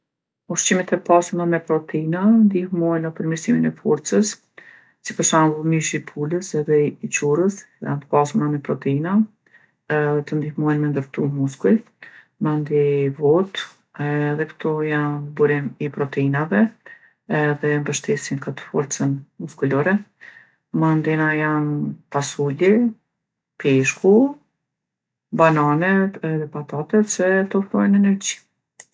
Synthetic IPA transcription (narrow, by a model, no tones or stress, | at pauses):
uʃt͡ɕimɛt̪ɛpasunamɛpɾɔt̪ʰɛinand̪ihmɔjnəpəɾmiɾsiminɛfɔɾt͡səsː | ipəɾʃanɡumiʃipʰuləsɛðɛit͡ɕurəs | jant̪ə̥pasunamɛpɾɔt̪ʰɛina | t̪ənd̪ihmɔjɛnmɛnd̪əɾt̪umuskul | mand̪ivɔt̪ | ðɛkə̥t̪ʰɔjanbuɾimipɾɔt̪əinavɛ | ɛðɛmbəʃt̪ɛsinkat̪ə̥fɔɾt͡sənmuskulɔɾɛ | mand̪inajanpasuli | piʃku | bananɛɛðɛpat̪at̪ɛsɛt̪ɔfɾɔjnɛnɛɾd͡ʑi̥